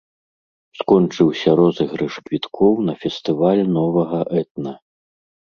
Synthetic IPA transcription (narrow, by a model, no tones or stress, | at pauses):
skɔnt͡ʂɨwsʲɐɾɔzɨxɾɨʂkvʲit̪kʰɔwnɐfʲɛst̪ɨvalʲnɔvɐɣɐʔɛt̪̚nɐ